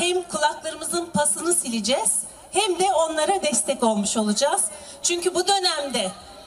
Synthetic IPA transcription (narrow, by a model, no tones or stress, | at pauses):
hɛmkʰulˠaklˠaɾɯmɯzɯnpʰasɯnɯsilʲid͡ʒɛz̥ | hæmd̪ɛo̞nlˠaɾad̪ɛst̪ʰɛco̞lˠmuʃo̞lˠud͡ʒaz̥ | t͡ʃʰyɲcʰybud̪ø̞næmd̪ɛ